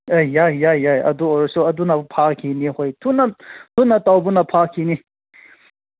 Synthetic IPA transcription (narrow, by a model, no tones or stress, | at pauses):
ejajajjajɐ̰d̪uɔɾsuɐd̪unapʰakʰinihojtʰunatʰunatawbunapʰakʰini